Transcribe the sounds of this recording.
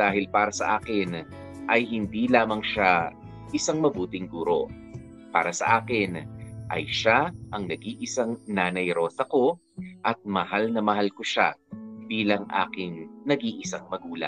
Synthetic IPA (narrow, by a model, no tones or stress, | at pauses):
d̪̥aːhɪlpaːɾɐsɐ̰ʔaːkɪn | ʔɐjhɪnd̪iːlaːmɐŋʃa | ʔɪsaŋmɐbuːt̪ɪŋɡuɾo̞̰ | pa̰ːɾɐsɐ̰ʔaːkɪnʔɐ̰jʃaʔɐŋnɐɡiːʔɪsaŋnaːnɐjɾo̞ːsɐko̞ | ʔɐt̪̚mɐhalnɐmɐhalkoʃa̰b̥iːlɐŋʔa̰ːkɪŋnɐɡiʔɪsaŋmɐɡuːlɐ̰